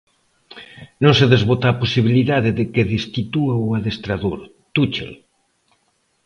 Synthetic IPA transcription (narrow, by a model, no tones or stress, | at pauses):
nõŋseðezβot̪aːposiβ̞iliðaðeðekeðest̪it̪uawaðest̪ɾaðoɾ | t̪ut͡ʃḛ